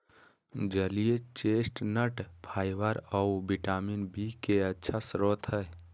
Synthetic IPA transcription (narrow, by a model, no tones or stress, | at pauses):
d͡ʒəlijet͡ʃesʈnəʈpʰajʋəɾəubiʈaminbikeətːʃʰasɾot̪ʰɦəj